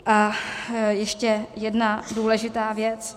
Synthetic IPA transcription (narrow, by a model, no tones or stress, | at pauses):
ʔa | jɛʃcɛjɛdnaduːlɛʒɪt̪aːvjɛt͡s